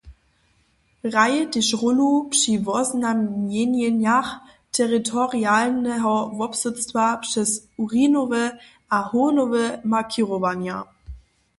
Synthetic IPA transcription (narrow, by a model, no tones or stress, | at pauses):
ʁajəd̥ɪʃʁʊnupʂivɔznamnjenjənjaχ | tʰɛʁitʰɔʁialnɛɦɔvɔpsʊt͡stv̥apʂɛsuʁiːnovə | ʔahonovəmakʰiʁovanja̰